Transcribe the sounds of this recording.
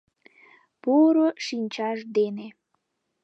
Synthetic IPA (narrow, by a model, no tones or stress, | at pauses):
puɾoʃinʲt͡ɕɑʃd̪ene